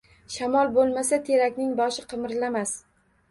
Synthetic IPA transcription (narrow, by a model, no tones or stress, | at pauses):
ʃamɒlˠbolˠmasat̪ʰe̞ɾakʲnɪŋbɒʃɪqʰɨmɪɾlamas